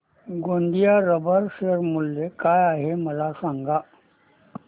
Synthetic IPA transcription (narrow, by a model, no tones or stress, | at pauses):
ɡõːnd̪ijaɾəbʱəɾsəɾmulːekajaːɦeməlasãŋɡa